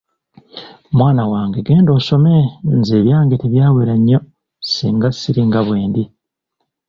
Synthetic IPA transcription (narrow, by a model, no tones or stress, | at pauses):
omwaːnawaːŋɡeɡeːndo̞ːso̞menzeβjaːŋɡetiβjaːweɾaɲːo̞ | sḭːŋɡasiɾiŋɡaβwe̞ːndi